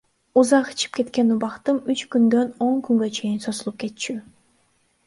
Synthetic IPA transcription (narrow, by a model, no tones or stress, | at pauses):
uzɑqi̥t͡ʃʰi̥p̚ke̞t̪ke̞nubɑqt̪ɯmyt͡ʃkynd̪ø̞no̞ŋkyŋɡø̞t͡ʃʰe̞jinso̞zulˠup̚ke̞t̪t͡ʃy